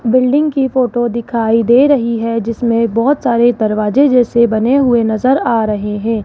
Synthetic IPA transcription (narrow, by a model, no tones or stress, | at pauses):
bɪlɖɪ̃ŋɡkifoːʈod̪ɪkʰaːid̪eːɾɐɦiɦɛd͡ʒɪsmẽbɔːt̪saːɾed̪ɐɾʋaːd͡ʒẽd͡ʒɛːsebɐneɦʊenɐzəɾaːɾɐɦeɦɛ̃ː